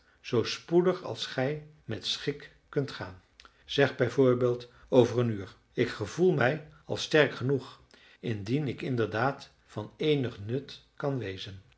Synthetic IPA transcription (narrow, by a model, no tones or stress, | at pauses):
z̥owspudəχɑ̰lˠsχɛj | mɛtsχɪk | kːɵntχaːn | z̥ɛχbɛjvoːɹbeːlˠt | owvərənyːɹ | ɪkχəvulˠmɛjɑ̰lˠstɛɹkχənuχ | ɪndinɪkɪndəɹdaːt | fɑnejnəχnɵtkɑnʋejzən